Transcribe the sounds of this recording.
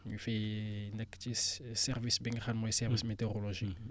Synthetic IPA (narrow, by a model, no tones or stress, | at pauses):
ifenɛkːt͡ʃisɛʁvisbiŋχanmɔjsɛʁvismet̪eoʁoloʒi